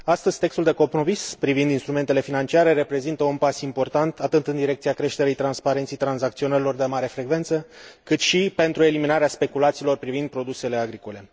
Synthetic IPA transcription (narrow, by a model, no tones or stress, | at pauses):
ast̪əz̥ʲt̪e̞kst̪uld̪e̞ko̞pno̞mispɾivind̪inst̪ɾume̞nt̪ele̞finant͡ʃiaɾe̞ɾe̞pɾe̞zint̪əunpasimpo̞rt̪ant̪at̪ɨt̪ɨnd̪iɾe̞k̚t̪siakɾe̞ʃt̪e̞ɾejt̪ɾanspaɾe̞nt̪sejt̪ɾanzak̚t̪sio̞neɾilo̞rd̪emaɾe̞fɾe̞ɡve̞nt̪səkɨt̪ʃipe̞nt̪ɾue̞liminaɾeaspe̞kulat̪silo̞rpɾivind̪̚pɾo̞d̪use̞le̞aɡɾiko̞le̞